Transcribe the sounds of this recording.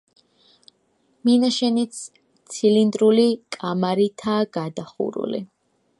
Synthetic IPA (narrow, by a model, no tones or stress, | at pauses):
minaʃɛnit̪s | t̪sʰilind̪ɾulikʼamaɾit̪ʰaːɡ̥ad̪aχṵɾṵlḭ